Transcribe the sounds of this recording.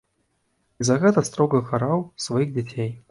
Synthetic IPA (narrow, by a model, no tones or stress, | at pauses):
izɐɣɛt̪ɐst̪ɾɔɣɐkaɾawsvajiɣd͡zʲat͡sʲej